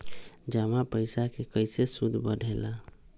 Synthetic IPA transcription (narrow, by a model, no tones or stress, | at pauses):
d͡ʒamapəɪsakekəjsesud̪ʱbəɖʱela